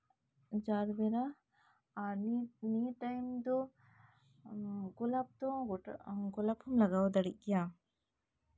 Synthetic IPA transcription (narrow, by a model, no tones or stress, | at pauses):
d͡ʒaɾbɛɾa | anniʈajmd̪ɔ | ɡɔlap̚t̪ɔ | ɡɔlaphɔmlaɡawd̪aɽic̚kɛja